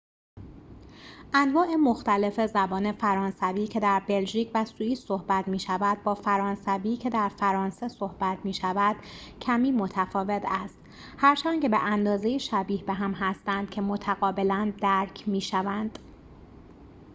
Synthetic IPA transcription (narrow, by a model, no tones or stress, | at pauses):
ʔænvɒːʔe̞moxt̪æle̞fe̞zæbɒːne̞fæɾɒːnsæviːcʰe̞d̪æɾbe̞lʒiːcʰvæsuiːsso̞hbæt̪ʰmiːʃævæd̪̚bɒːfæɾɒːnsæviːcʰe̞d̪æɾfæɾɒːnse̞so̞hb̥æt̪ʰmiːʃævæd̪̥cʰæmiːmo̞t̪ʰæfɒːve̞t̪ʰæst̪ | hæɾt͡ʃʰæncebeʔænd̪ɒːzejiʃæbiːhbe̞ɦæmɦæst̪ænd̪̥cʰe̞mo̞t̪ʰæɣɒːbe̞lænd̪æɾcʰmiːʃævænd̪̥